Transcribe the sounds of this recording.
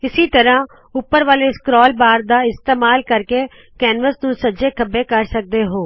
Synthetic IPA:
ɪsiːt̪əɾãː | ʊpːəɾʋaːleːskɾɔːlbaːɾd̪aːɪst̪eːmaːlkəɾkeː | kɛːnʋəsnũːsəd͡ʒeːkʰəbeːkəɾsək̚d̪eːɦoː

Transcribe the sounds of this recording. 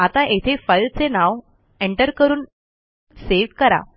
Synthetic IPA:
at̪aʔet̪ʰefəjlt͡senaʋ | eɳʈəɾkəɾuːn | seʋkəɾa̰

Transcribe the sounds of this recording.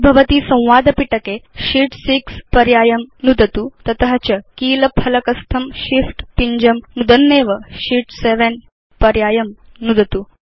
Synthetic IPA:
bʱɐʋɐt̪iːsɐ̃w̃ʋaːd̪ʱɐpiʈɐkeɕiːʈsikspɐɾjaːjɐmnud̪ʱɐt̪ut̪ɐt̪ɐɦɐt͡ɕɐkiːlɐpʰɐlɐkɐst̪ʰɐmʃifʈpiɲd͡ʑɐmnud̪ɐnːeːʋəɕiʈseʋen | pɐɾjaːjɐm | nud̪ʱɐt̪u

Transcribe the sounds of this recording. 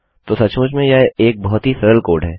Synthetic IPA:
t̪oːsɐt͡ʃmʊt͡ʃmẽjaeːk̚bɔɦʊt̪ɦisɛɾəlkoːɾɖɦɛː

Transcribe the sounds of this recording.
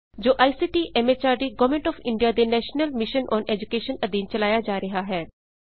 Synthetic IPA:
d͡ʒoːʔaːisiːʈiːʔɛmet͡ʃaːɾɖiɡɐʋmẽɳʈɔːfɪ̃ɳɖijad̪enɛːʃnəlmɪʃənʔɔːneːd͡ʒukeːʃənɐd̪iːnt͡ʃɐlaːjad͡ʒaːɾɐɦaɦɛː

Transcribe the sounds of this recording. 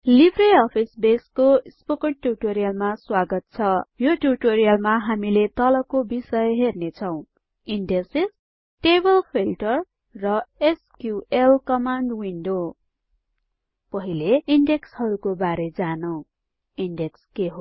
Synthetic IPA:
libʱreʌpʰisbeskospokʌʈʈuʈoɾijʌlmaswaɡʌt̪̚t͡sʰʌjoʈuʈoɾijʌlmaɦamilet̪ʌlʌkobisʌjɦernet͡sʰʌw̃ | iɳɖeses | ʈebʌlpʰilʈʌrː | ʌeskjuelkʌmaɳɖwiɳɖo | pʌɦileiɳɖekshʌɾukobaɾed͡zanʌw̃ | iɳɖekskeɦo

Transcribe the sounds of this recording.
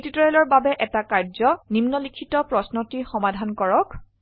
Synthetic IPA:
titɔɹɛlɔɹbabɛʔɛtakaɹzɔnimnɔlikʰitɔpɹɔsnɔtixɔmadʱankɔɹɔk

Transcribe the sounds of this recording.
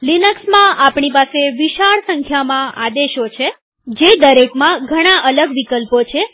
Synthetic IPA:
linəksmãʔapɳipaseʋiʃaɭsəŋkʰjamãʔad̪eʃot͡ʃʰe | d͡ʒed̪əɾekmãɡʱəɽ̃aʔələɡʋikəlpot͡ʃʰe

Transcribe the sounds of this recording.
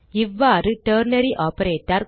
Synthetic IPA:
iʋːaɾɨʈəɾnɐɾiʔɔpəɾeːʈɐɾ

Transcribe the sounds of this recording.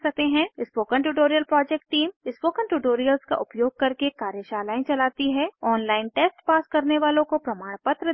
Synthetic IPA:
sɐk̚t̪eɦɛ̃ɪspoːkə̃ɳʈ̬uʈoːɾijəlpɾɔːd͡ʒɛk̚ʈːiːmɪspoːkə̃nʈuːʈoːɾijəlzka̰ʔʊpjoːɡ̚kɐɾkekaːɾjəʃaːlaːĩt͡ʃɐlaːt̪iɦɛɔːnlaːɪnʈeːsʈpaːskɐɾneʋaːlõkopɾɐmaːɽ̃pət̪ɾə

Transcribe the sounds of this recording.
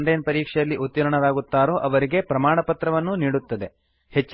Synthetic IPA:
ɳɖenpɐɾiːkʂɛjɐlːiʔut̪ːiɾɐɳɐɾaːɡut̪ːaːɾoːʔɐʋɐɾiɡe̞pɾɐmaːɳɐpɐt̪ɾɐʋɐnːuniːɽut̪ːɐd̪e̞ | het͡ʃː

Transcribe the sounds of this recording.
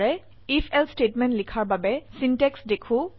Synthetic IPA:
ɹɛ | ifʰɛlstetmɛntlikʰaɹbabɛsintɛksdekʰʊ̃

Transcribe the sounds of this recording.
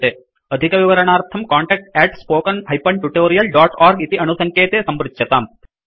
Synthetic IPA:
t̪eː | ɐd̪ʱikɐʋiʋɐɾɐɳaːɾt̪ʰɐmkaːɳʈɛːk̚ʈɛːʈspoːkɐnhɐjpɐɳʈuʈoːɾijɐlɖaːʈaːɾɡit̪iʔɐnusɐŋkeːt̪eːsɐmɾut̪ːt͡ʃɐt̪aːm

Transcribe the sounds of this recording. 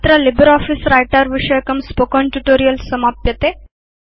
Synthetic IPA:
t̪ɾalibəɾɔfiːsɾajʈaɾʋiʂəjkəmspokɔɳʈuʈoɾijəlsəmapjət̪e

